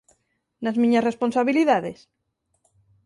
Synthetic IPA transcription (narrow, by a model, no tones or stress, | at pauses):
nazmĩɲasresponsaβ̞iliðaðes